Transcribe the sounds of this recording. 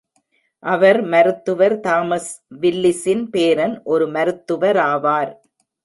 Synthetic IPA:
ʔɐʋɐɾmɐɾɯt̪ːɯʋɐɾt̪aːmɐsʋɪlːɪsɪnpeːɾɐnʔɔɾɯmɐɾɯt̪ːɯʋɐɾaːʋaːɾ

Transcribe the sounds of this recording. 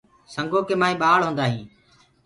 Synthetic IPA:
səŋɡoːkeːmaːĩːɓaːɭɦõːnd̪aːɦĩː

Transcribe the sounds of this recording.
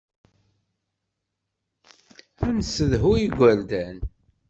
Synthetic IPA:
ænsəðɦuiɡʷəɾd̪æn

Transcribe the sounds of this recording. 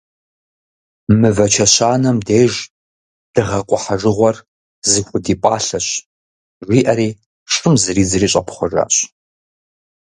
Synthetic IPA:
mɨvɐt͡ʃʰɐɕaːnɐmdeːʒ | d̥ɨʁɐqʷʼʊħaʐɨʁʷɔr | zɨxʷʊdiːpʼaːɬɐɕ | ʒʷiːʔɐɾiː | ʂʼɨmzɨriːd͡zɨriːɕʼɐpʰχʷʊra̰ːɕ

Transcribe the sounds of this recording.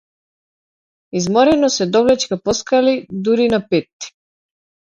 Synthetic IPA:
izmɔɾɛnɔsɛd̪ɔvlɛt͡ʃkapɔskalid̪uɾinapɛt̪ːi̥

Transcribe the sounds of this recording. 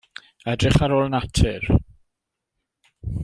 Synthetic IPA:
ɛdrɪχaɾoːlˠənatʰɪr

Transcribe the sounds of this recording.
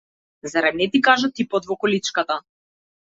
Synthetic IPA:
zaɾanɛt̪ikaʒat̪ipɔt̪vɔkɔlit͡ʃkat̪a

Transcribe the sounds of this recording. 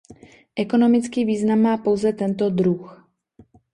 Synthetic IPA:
ʔɛko̞no̞mɪt͡skiːviːznamːaːpo̞wzɛt̪ɛnt̪o̞d̪ɾux

